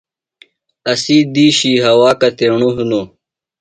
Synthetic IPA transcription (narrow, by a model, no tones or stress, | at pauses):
ɐsiːd̪iːɕiːɦɐwaːkɐt̪eɳuɦuno